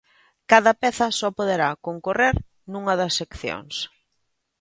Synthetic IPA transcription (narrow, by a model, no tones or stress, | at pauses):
kaðɐpɛθɐsɔpoðeɾakoŋkoreɾ | nũŋɐðɐsːekθjo̰ŋs